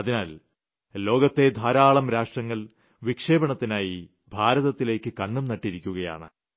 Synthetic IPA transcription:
ɐðinaːl | lo̞ːɡɐt̪ːe̞d̪ʱaːɾaːɭɐmɾaːʂʈrɐŋːɐɭ | ʋikʂe̞ːbɐɳɐt̪ːinaːji | bʱaːɾɐðɐt̪ːile̞ːkːɨkɐnːumnɐʈːiɾikʲːuɣɐja̰ːɳɨ̰

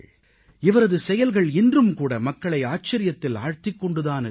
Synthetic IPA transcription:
ɪʋɐɾɐðɯsɛjɐlɣɐɭɪndrɯmkuːɽɐmɐkːɐɭɐɪaːt͡ʃːɐɾɪjɐt̪ːɪla̰ːɻt̪ɪkːɔɳɖɯðaːnɯ

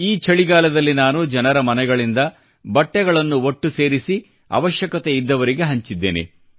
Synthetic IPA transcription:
iːt͡ʃɐɭiɡaːlɐd̪ɐlːinaːnud͡ʒɐnɐɾɐmɐnɛɡɐɭind̪ɐ | bɐʈːɛɡɐɭɐnːuoʈːuse̞ːɾisi | ɐ̰ʋɐʃjɐkɐt̪eid̪ːɐʋɐɾiɡe̞ɦɐɲt͡ʃid̪ːeːnḛ

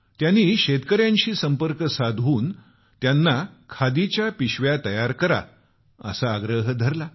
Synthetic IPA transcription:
t̪janːiːɕet̪kəɾjãɲt͡ɕiːsəmpəɾkəsad̪ʱuːn | t̪janːakʰad̪it͡ɕjapiɕʋjat̪əjaɾkəɾa̰ | ə̰saːɡɾəɦəd̪ʱəɾla

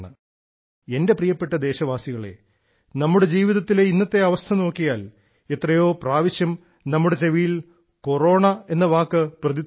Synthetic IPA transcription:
ɳɨ | e̞nde̞prijɐpːe̞ʈːɐd̪e̞ːɕɐʋaːsiɣɐɭe̞̰ | nɐmːuɽe̞d͡ʑiːʋiðɐt̪ːileinːɐt̪ːe̞ɐʋɐst̪ʰɐno̞ːkːijaːl | et̪rɐjo̞ːpraːʋiɕjɐm | nɐmːuɽe̞t͡ɕe̞ʋijil | ko̞ro̞ːɳɐe̞nːɐʋaːkːɨprɐði

